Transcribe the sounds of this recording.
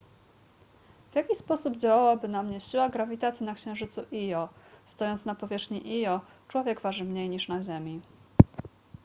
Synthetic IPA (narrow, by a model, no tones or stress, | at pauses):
v̥ʲjakʲispɔsubd͡ʑawawabɘnamɲɛɕiwaɡɾavʲit̪at̪sʲinakɕɛ̃w̃ʐɘt̪suʔijɔst̪ɔjɔnt̪snapɔvʲjɛʂxɲiʔijɔ | t͡ʂwɔvʲjɛɡvaʐɘmɲejɲiʂnaʑɛmʲi